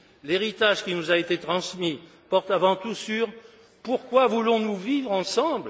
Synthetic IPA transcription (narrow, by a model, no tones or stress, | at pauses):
leʁit̪aʒkʲinuzaet̪et̪χɑ̃smi | pɔʁt̪avɑ̃t̪usyʁ | puʁkwavulɔ̃nuvivʁɑ̃sɑ̃bl